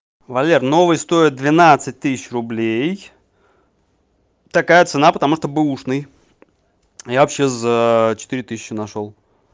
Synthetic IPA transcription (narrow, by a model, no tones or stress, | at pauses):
vɐlʲerno̞vɨjst̪o̞ɪt̪̚d̪vʲɪnat̪sɨt̚ʲt̪ɨsʲɪ̥t͡ɕrʊblʲej | t̪ɐkajət̪sɨnapət̪ɐmuʂt̪obɨuʂnɨj | javɐpɕːezət͡ɕɪ̥t̪ɨɾʲɪt̪ɨsʲɪ̥t͡ɕːɪnɐʂo̞lˠ